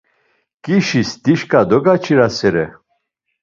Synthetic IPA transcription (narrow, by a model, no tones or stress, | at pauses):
kʼiʃisd̪̥iʃkʼad̪ɔɡat͡ʃʰiɾasɛɾɛ